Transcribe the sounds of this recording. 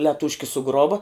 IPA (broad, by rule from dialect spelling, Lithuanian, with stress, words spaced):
lʲɛˈtuːʃʲkʲɪ sʊˈɡroːʋɐ